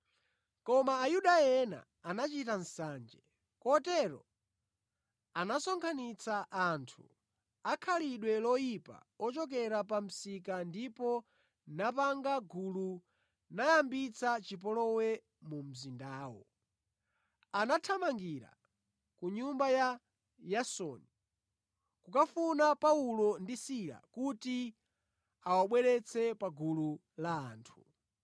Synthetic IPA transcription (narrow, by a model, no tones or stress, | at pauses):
kɔmaːjuɗajɛna̰ːnat͡ʃitan̩saːnd͡ʒɛ | kɔtɛɾɔ̰ | anasɔŋkʰanit͡saʔːntʰu | akʰaliɗwɛlɔjipa̰ | ɔt͡ʃɔk̬ɛɾapam̩sikandipɔ | napaŋɡaɡulu | najambit͡sʰat͡ʃip̬ɔlɔwɛ | mum̩zindaːwɔ̰ | anatʰamaŋɡiɾa̰ | kuɲumbaja | jasɔ̰ːni | kukafunapaulɔndisiɾa̰kuti | awaɓwɛɾɛt͡sʰɛpaɡulu | la̰ːntʰu̥